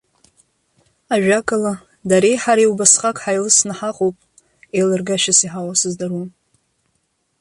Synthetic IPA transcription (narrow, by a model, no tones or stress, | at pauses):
aʒᶣakʼala | daɾejħaɾajwbasχʼakʼħajlɨsnaħaqʼowpʼ | ejlɨrɡaʃasiħawasɨzdarun